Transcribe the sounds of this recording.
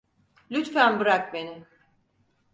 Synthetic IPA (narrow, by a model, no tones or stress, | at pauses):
lʲyt̪fænbɯɾak̚beni